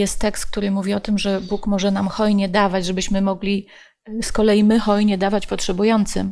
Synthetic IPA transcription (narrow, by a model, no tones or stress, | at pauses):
jɛst̪ːɛkst̪̚k̚t̪uɾɘmuvʲiɔt̪ɘmʐɛbukmɔʐɛnamxɔjɲɛd̪avad͡ʑʐɛbɘɕmɘmɔɡlʲi | skɔlɛjimɘxɔjɲɛd̪avat͡ɕpɔtʂɛbujɔnt̪sɘ̰m